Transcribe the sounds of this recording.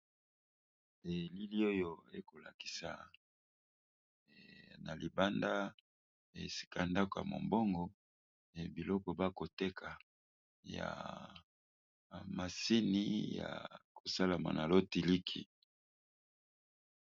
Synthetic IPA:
e˨li˦li˦o˦jo˨ḛ˦ko˨la˨ki̥˨sa˨ | na˨li˨ba˦nda˦ | ḛ˨si̥˨ka˦˨nda˦kɔ˨ja̰˨mo̰˨mbɔ˦ŋɡɔ˨ | bi˨lɔ˦kɔ˨ba˦ko˨tɛ˦kʰa˨ | ja̰˨ | ma˨si˦ni˦ja̰˨ko˨sa˦la˨ma̰˨na˨lo˦ti˨li˦kʰḭ˨

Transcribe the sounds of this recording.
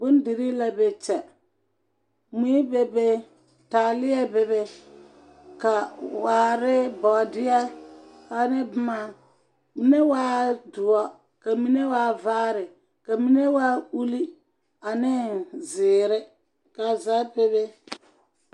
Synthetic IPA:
bʊ˦n˦di˨ɾi˦la˦be˨t͡ʃɛ˨ | mi˦i˦be˨be˦ | taː˨lɪ˦ɛ˦be˨be˦ | ka˨waː˨˦ɾɪ˦bɔ˨dɪ˦ɛ˦ | a˨nɪ˦bʊ˦ma˦ | mi˨ne˦waː˦dʊ˨ɔ˦ | ka˨mi˦ne˦waː˦vaː˦ɾɪ˨ | ka˨mi˦ne˦wa˦u˦li˦ | a˨nɪ˦zɪː˨ɾɪ˦ | ka˨za˦be˦be˦

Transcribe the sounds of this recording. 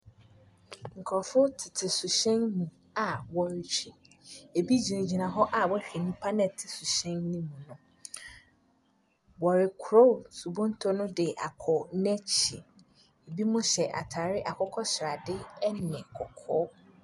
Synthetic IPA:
ŋ̩˨kʰɾfʊ˦tʰɪ˨tʰɪ˨su˨ɕɛ̃˦nːũ˨ | a˨wɔ˨ɾɪ˨t͡ɕʰᶣi˨ | e˨bi˦d͡ʑi˨n˨d͡ʑi˨nã˨ɦɔ˦ʔa˨wɔ˦hᶣi˨nũ˦pʰa˦nɛ˨tʰɪ˨su˨ɕɛ̃˦nnĩ˦mũ˨nʊ̃˨ | wɔ˨ɾɪ˨kʰʊ˨ɾo˦˨su˨bɔ̃˦n˦tʰɔ˦nʊ̃˦dɪ˨ʔa̰˨kʰɔ˨nɛ̃˦t͡ɕʰi˨ | e˨bi˦mʊ̃˦ɕɛ˨ʔa̰˨tʰaː˨ɾɪ˦ʔa˨kʰɔ˦kʰɔ˦ɕɪ˨ɾa˨dɪ˦ɛ˦nɪ̃˨ɛ̃˨kʰɔ˨kʰɔː˦

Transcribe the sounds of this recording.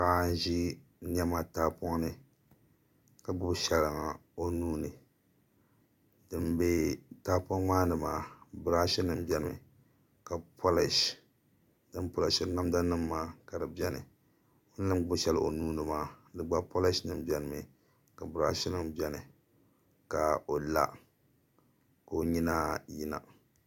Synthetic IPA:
ka˦n˦ʒi˦nɛ˦ma˦taː˦pɔ˦ŋnɨ˦ | ka˨ɡ͡bʊ˦bʃɛ˨lɨ˨ŋa˨o˦nuː˦nɨ˨ | dɨ˨mbe˦taː˦pɔ˦ŋmaː˦nɨ˨maː˨˦bɨ˨ɾa˦ʃi˦nɨ˦m˦bʲɛ˦˨nɨ˨m˨ | ka˨pʰo˦lɪ˦˨ʃ | dɨ˦mpo˦lɪ˨˦ʃɪ˦na˦mda˦nɨ˦mːaː˦ka˨dɨ˨bɛ˦nɨ̰˨ | o˦nː˦ɨ˦m˦ɡ͡bʊ˦ʃɛ˦lʔo˨nuː˦nɨ˨maː˦dɨ˨ɡ͡ba˦po˦lɪ˦ʃnɨ˨mbɛ˦nɨ˨mɨ˨ | ka˨bɨ˨ɾa˦ʃi˦nɨ˦mbɛ˦nɨ˨ | ka˨o˨la̰˦ | ka˨o˨ɲi˦naː˦ji˦na̰˨

